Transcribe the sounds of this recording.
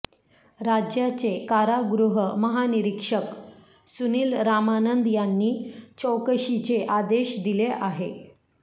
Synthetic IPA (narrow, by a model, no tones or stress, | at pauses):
ɾad͡ʑjat͡sekaɾaɡɾuɦəməɦaniɾikʂək | suniːlɾamanənd̪janːiːt͡ɕəwkəɕit͡seʔad̪eɕd̪ileʔaɦe